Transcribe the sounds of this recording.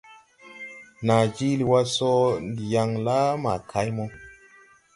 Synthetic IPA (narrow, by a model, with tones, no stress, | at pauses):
na˨d͡ʒi˦li˨wa˧sɔ˦ndi˨ja˧ŋla˦ma˨kʰa˨˦jmɔ˧